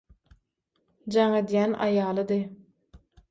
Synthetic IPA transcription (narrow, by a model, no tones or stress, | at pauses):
d͡ʒɑŋed̪jænʔɑ̰jɑːlˠɯd̪ɯ